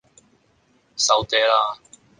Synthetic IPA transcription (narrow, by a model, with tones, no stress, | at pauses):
sɐ˧wt̪ɛː˧˥laː˧